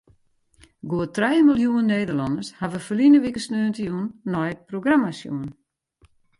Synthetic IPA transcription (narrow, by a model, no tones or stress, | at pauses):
ɡoətrɛjmilˠjuənnːeːdəlɔndəshaʋəfəlinəʋikəsnøːəntəjunːɔjəproɡramasjṵən